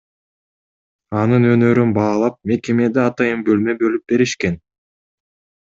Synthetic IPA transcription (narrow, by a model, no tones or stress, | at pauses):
ɑnɯnø̞nø̞ɾynbɑːlˠɑp̚me̞ke̞me̞d̪eɑt̪ɑjɯmbø̞lmø̞bø̞lyp̚be̞ɾiʃke̞n